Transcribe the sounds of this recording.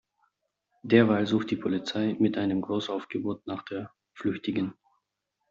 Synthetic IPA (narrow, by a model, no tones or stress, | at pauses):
d̥eːɐvaːlzuːxt̚d̥iːpʰolit͡saɪmɪtʔaɪnəmɡʁoːsaʊfɡ̥əboːtnaːχd̥eːɐ | flʏçtɪɡən